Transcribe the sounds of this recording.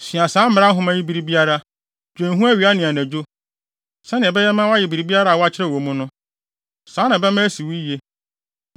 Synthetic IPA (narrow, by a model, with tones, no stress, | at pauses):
sĩ˨a˨sãː˨˦m̩˦m˨ɾa˦ɦʊ̃˦mã˦ji˦bi˨ɾi˦bi˦a˦ɾa˦ | d͡ʒᶣẽ˨ɦũ˦æ˦ɥi˨a˦nɪ̃˨a˨næ̃˨d͡ʑᶣo˦ | sɛ̃˦nɪ̃˨ɛ˨bɛ˦jɛ˦mã˦wa˦jɪ˨bi˨ɾi˨bi˦a˦ɾa˦˨wɔ˦a˦t͡ɕʰɪ˦ɾɛ˦˨wo˨mʊ̃˦nʊ̃˦ | sãː˨˦nã˨bɛ˦mã˦si˨wi˦e˦